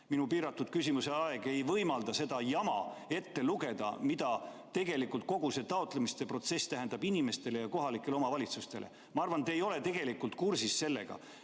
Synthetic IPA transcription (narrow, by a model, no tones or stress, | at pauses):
minupiːɾɑt̪ːˑud̪̥kys̬ʲimuse̞ɑe̞ɡ̥e̞jvɤjmɑld̪̥ɑse̞d̪̥ɑjɑmɑ̰e̞t̪ːe̞luɡe̞d̪̥ɑ̰mid̪̥ɑ | t̪e̞ɡe̞likult̪̚ko̞ɡ̥use̞t̪ɑo̞t̪ˑle̞mist̪epro̞t̪se̞st̪æɦend̪ɑbinime̞st̪e̞lejɑko̞ɦɑlikːˑe̞leomɑvɑlʲit̪sust̪e̞̰lʔḛ | mɑɑrvɑnt̪eːjo̞le̞t̪e̞ɡ̥e̞likːˑult̪kursisse̞lːe̞̰ɡ̥ɑ̰